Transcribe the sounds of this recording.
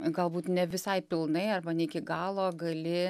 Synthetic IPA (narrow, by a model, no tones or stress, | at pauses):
ɡɐlˠbuːt̪nʲɛʋʲɪsɐɪpʲɪlˠnɐɪɐrbɐnʲɛɪkʲɪɡɑːlˠoːɡɐlʲɪ